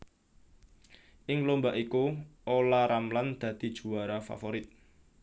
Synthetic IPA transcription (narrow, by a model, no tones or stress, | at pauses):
ʔɪŋlombaʔikuʔolaɾamland̪̥ä̤d̪̥i̤d̥ʒ̥ṳwaɾafa̰foɾɪt̪̚